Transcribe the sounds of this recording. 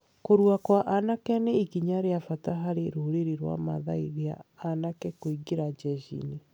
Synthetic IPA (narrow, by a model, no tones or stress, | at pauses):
koɾwakwaʔanakɛaneiɣiɲaɾeafataɦaɾeɾoɾeɾiɾwa̰maðaiðia̰anakɛkoiɡeɾad͡ʒɛd͡ʒḭni